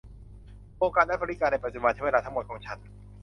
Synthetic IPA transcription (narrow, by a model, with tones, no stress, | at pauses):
ʔoː˧ŋkaː˧n̚daː˥˩bɔː˧ɾi˦˩kaː˧na˧˩jpa˨t̪̚t͡ɕu˧ma˧˩t͡ɕʰweː˧lːʰa˦˥ŋmo˨˩t̪̚kʰɔː˩˦ŋt͡ɕʰa˦˥n